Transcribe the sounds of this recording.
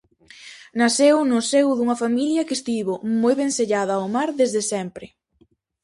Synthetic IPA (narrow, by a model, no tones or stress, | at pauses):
nasewnʊsewðuŋɐfamiljɐkest̪iβʊmojβeŋseʎaðɐwmaɾðezðɪsɛmpɾɪ